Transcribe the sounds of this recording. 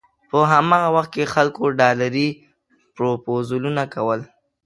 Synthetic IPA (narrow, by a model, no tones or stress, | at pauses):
pəɦamɑɣawaxt̪̚kexalkoɖɑlaɾi | pɾopozulunakawəl